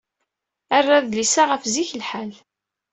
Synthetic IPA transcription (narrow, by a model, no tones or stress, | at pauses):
arːaðlisaʁəfziçlħal